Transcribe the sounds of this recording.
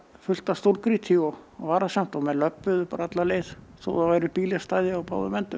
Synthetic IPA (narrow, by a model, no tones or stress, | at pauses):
fʏl̥t̪ast̪owɾkɾit̪ʰiɔvaːɾasam̥t̪amɛlœpːʏðʏpaːɾaat̪laleːjðθo̰wðavaːjɾɪpiːlɪst̪aːjðɪawpaːwðʏmɛnt̪ʏ